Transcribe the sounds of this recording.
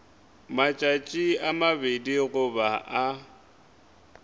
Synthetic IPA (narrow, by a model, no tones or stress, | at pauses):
mat͡ʃʼat͡ʃʼiamabediɣʊbaʔa